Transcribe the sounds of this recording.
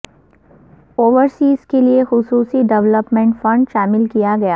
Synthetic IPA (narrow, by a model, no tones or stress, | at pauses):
oːʋəɾsiːzkeliexʊsuːsiɖɛʋləpmẽːɳʈfɐ̃ɳɖʃaːmɪlkijaɡɐjaː